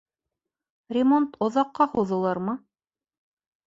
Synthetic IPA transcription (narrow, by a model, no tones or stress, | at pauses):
rʲɪmont̪ŏðɑqːɑhuðɤ̆lˠɑɾmɤ